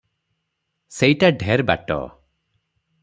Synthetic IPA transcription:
sejʈaɖʱeɾba̰ʈɔ̰

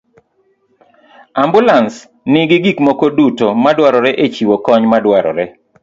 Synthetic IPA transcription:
ambulans | nɪɡɪɡikmokodutomadwaɾɔɾɛʔet͡ʃiwokɔɲmadwaɾɔ̰ɾɛ

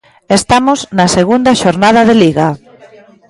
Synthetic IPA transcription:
est̪amoznɐseɣund̪ɐʃoɾnað̞aðeliɣa

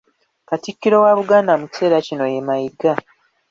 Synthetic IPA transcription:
katikːiɾo̞waβuɡaːndamuci̥se̞ːɾacino̞je̞majiɡa

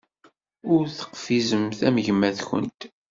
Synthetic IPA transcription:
ʊɾθə̥qfizəmθæməʝmːæθçə̰nt̪

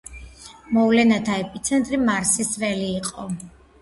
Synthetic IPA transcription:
mɔvlɛnat̪ʰaɛpʼit̪sʰɛnt̪ʼɾimaɾsisvɛliːqʼɔ

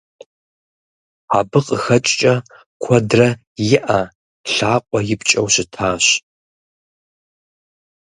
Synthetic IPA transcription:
aːbɨqʼəxɐt͡ʃʼt͡ʃʼɐ | kʷʰɔdrɐ | jɪʔɐ | ɬaːqʷʼɔjɪpt͡ʃʼɐwɕɪtʰaːɕ

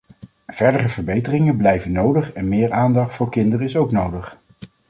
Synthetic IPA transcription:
v̥ɛɹdərəvəɹbejtərɪŋəblɛjvənːowdəχɛnmɪːɹaːndɑχtfʊːɹkɪndəɾəɪsowknowdəχ

